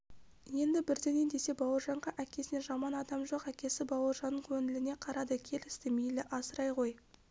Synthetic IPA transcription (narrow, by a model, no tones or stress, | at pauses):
je̞nd̪ɪbɪɾd̪e̞ne̞nd̪e̞se̞bɑwəɾʒɑɴʁɑʔækʲe̞sɪne̞ʒɑmɑnɑd̪ɑmʒo̞qækʲe̞sɪbɑwəɾʒɑnːəɴkʲʰɵnɪlɪne̞qʰɑɾɑd̪əkʲʰe̞lɪst̪ɪmejlɪʔɑsəɾɑjqo̞j